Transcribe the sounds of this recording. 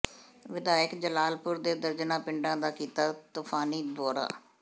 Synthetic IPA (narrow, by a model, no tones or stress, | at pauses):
ʋɪd̪aːjəkd͡ʒəlaːlpʊɾd̪eːd̪əɾd͡ʒnãːpɪɳɖãːd̪aːkiːt̪aːt̪ʊfʰaːniːd̪ɔːɾa̰ː